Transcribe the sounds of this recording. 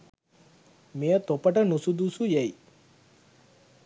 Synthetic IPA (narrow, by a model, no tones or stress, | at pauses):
mejət̪opəʈənusud̪usujej